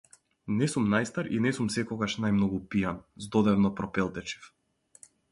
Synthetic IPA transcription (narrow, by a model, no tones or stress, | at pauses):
nɛsumnajst̪aɾḭnɛsumsɛkɔɡaʃnajmnɔɡupijanzd̪ɔd̪ɛvnɔpɾɔpɛlˠt̪ɛt͡ʃi̥f